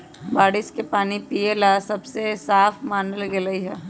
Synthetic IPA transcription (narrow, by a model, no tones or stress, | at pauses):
baːɽɪskepaːnipielasɐbsesaːfmaːnəlɡeləiɦɛ